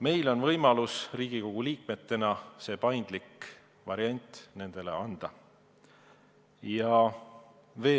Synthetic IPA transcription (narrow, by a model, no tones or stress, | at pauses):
me̞jlo̞nvɤjmɑlusriːɡ̥iko̞ɡ̥uliːk̚me̞t̪ːe̞nɑse̞ːpɑjnd̪̥lik | vɑɾiɑnʲt̪ˑne̞nd̪̥e̞le̞̰ɑnd̪̥ɑ | jɑ | ve̞ː